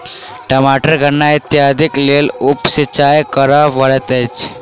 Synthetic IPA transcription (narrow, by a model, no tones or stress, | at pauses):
ʈəmaʈəɾɡʱənait̪jad̪iklelupsit͡ɕajkəɾaʋəɭɛt̪ɛt͡ʃ